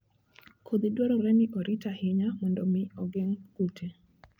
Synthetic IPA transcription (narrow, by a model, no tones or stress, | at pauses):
kʰod̪idwaɾɔɾɛnɪʔɔɾʔitahɪɲamɔndɔmɪɔɡeŋkutʰe